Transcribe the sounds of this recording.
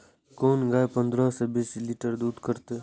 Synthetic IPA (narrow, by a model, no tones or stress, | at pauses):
koːnɡaːjpənd̪ɾaːsebiːsliːʈəɾd̪uːd̪kəɾt̪e